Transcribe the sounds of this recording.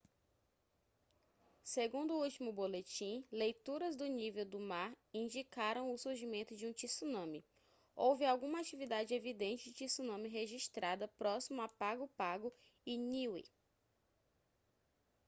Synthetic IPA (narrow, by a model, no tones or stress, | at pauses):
seɡũnd̪ʊuwt͡ʃimʊbolet͡ʃĩlejt̪uɾɐzd̪ʊnivewd̪ʊmaɾ | ĩd͡ʒikaɾɐ̃w̃ʊsuɾʒimẽnt̪ʊd͡ʒɪũt͡ʃisunɐ̃mɪ | owvɪawɡũmɐat͡ʃivid̪ad͡ʒɪevid̪ẽnt͡ʃɪd͡ʒɪt͡ʃisunɐ̃mɪɦeʒiʃt̪ɾad̪ɐpɾɔsimʊapaɡʊpaɡʊ | ɪniwḭ